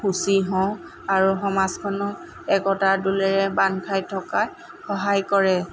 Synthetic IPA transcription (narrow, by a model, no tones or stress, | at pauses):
xusiɦɔ̃w̃ | aɹuxɔmaskʰɔnɔ | ɛkɔtadulɛɹɛbankʰajtʰɔka | xɔɦajkɔɹɛ